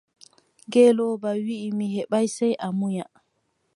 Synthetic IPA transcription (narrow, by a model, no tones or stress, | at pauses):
ɡɛːlɔːbawiʔimihɛɓajsɛjʔamuja